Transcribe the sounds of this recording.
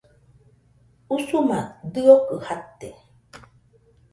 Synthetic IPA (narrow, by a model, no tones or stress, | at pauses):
usumad̪ɯokɯhat̪e